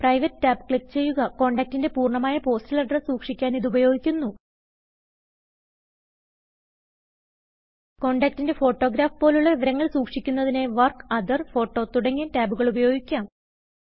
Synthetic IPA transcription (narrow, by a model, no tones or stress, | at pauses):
prɐjʋɐtːɨtaːbkɭikːt͡ɕe̞jːuɣɐko̞ːɳɖaːk̚tinde̞puːrɳɐmaːjɐpo̞ːstilɐɖrɐsuːkʂikʲːaːniðubɐjo̞ːɡikʲːunːu | ko̞ːɳɖaːk̚tinde̞fo̞ːʈːo̞ːɡɾaːfpoːluɭːɐʋiʋɐɾɐŋːɐɭsuːkʂikʲːunːɐðine̞ʋɐrkɐd̪ɐrfo̞ːʈːo̞ːt̪uɽɐŋːentaːbuɣɐɭubɐjo̞ːɡikʲːaːm